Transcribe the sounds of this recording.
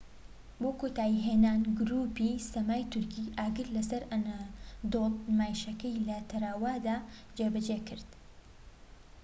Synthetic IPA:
boːkot̪aːjiɦeːnaːnɡʊɾuːpisɐmaːjt̪ʰʊɾkiʔaːɡɨɾlɐsɐɾɐnad̪olmaːjʃɐkɐjlɐt̪ʰɐɾaːwaːd̪aːd͡ʒebɐd͡ʒekɨɾd̪̥

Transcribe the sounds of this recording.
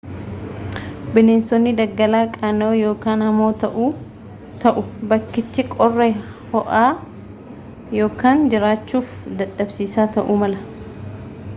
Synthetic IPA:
bɪneːnsɔnːɪd̪ɐɡːɐlaːkʼaːnoːjo̞ːkaːnhɐmoːt̪ɐʔuː | t̪ɐʔʊbɐkːɪt̪ːɪkʼɔrːɛ | hɔʔaː | jo̞ːkaːnd͡ʒɪɾaːt͡ʃːuːfd̪ɐᶑːɐbsiːsaːt̪ɐʔuːmɐlɐ

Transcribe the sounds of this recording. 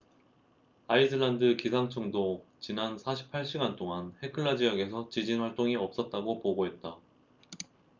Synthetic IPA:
aidɯɭandɯkisʰaŋt͡ɕʰʌŋdot͡ɕinansʰaɕʰi̥pʰaɭɕ͈iɡant͈oŋanhe̞kʰɯɭːad͡ʑijaɡe̞sʰʌt͡ɕid͡ʑinwaɭt͈oŋiʌp̚s͈ʌt̚t͈aɡopoɡoɦe̞t̚t͈a

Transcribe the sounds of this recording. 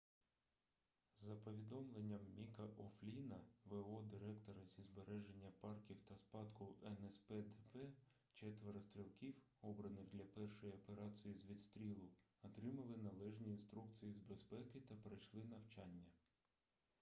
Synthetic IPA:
zːɐpɔʋʲid̪ɔmlˠenʲːɐmːʲikɐʔɔflʲinɐʋeɔd̪ɪɾɛkt̪ɔɾɐzʲizbeɾɛʒe̞nʲːɐpɑrkʲiwt̪ɐspɑd̪kʊɛnɛspɛd̪ɛpɛ | t͡ʃɛt̪ʋeɾɐst̪ɾʲilˠkʲiwɔbɾɐnɪɣd̪lʲɐpɛrʃɔjiɔpeɾɑt͡sʲijizʋʲid̪st̪ɾʲilˠʊ | ɔt̪ɾɪmɐlˠɪnɐlˠɛʒnʲiːnst̪ɾuk̚t͡sʲijizbe̞spɛkɪt̪ɐpɾɐjʃlˠɪnɐwt͡ʃɑnʲːɐ

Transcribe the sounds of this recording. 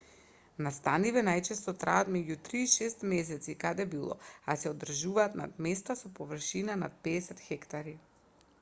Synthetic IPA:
nast̪anivɛnajt͡ʃɛst̪ɔt̪ɾaat̪mɛɟut̪ɾiːʃɛst̪mɛs̬ɛt̪sikad̪ɛbilˠɔ̰asɛɔd̪r̩ʒuvaːt̪na̰d̪mɛst̪asɔpɔvr̩ʃinanat̪̚pɛːsɛt̪xɛkt̪aɾi

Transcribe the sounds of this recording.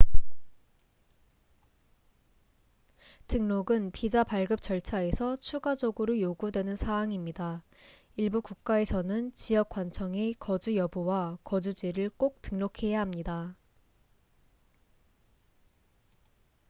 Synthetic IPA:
tʰɯŋnoɡɯnpid͡ʑapaɭɡɯp̚t͡ɕ͈ʌɭt͡ɕʰae̞sʰʌt͡ɕʰuɡad͡ʑʌɡɯɾojoɡudwe̞nɯnsʰaːŋimɲida | iɭbukuk̚k͈ae̞sʰʌnɯnt͡ɕijʌk͈̚want͡ɕʰʌŋekʌd͡ʑujʌbuwakʌd͡ʑud͡ʑiɾɯɭk͈ok̚t͈ɯŋnokʰe̞jaɦamɲida

